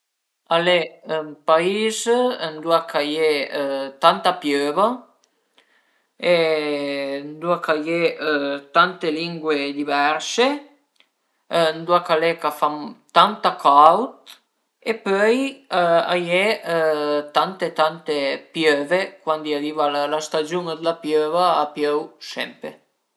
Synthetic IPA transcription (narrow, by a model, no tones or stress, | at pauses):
alempaizənd̪uakʰajet̪ant̪apjøva | e | nd̪uakajet̪ant̪eliŋɡwed̪ivɛɾse | nd̪uakalekafamt̪ant̪akʰawt̪ | epøja̰je | t̪ant̪et̪ant̪epjøvekwand̪iaɾiːvalalast̪ad͡ʒuŋad̪əlapjøːvaːpjøwsɛ̰mpɾḛ